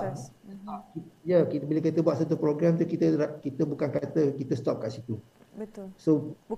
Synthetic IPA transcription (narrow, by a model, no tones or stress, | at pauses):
ɔp̚kijakibiləkit̪əbuaʔ̪̚sat̪upɾoɡɾamt̪ukit̪əɾkit̪əbukankat̪əkit̪əst̪ɔp̚kaʔsit̪u | bəso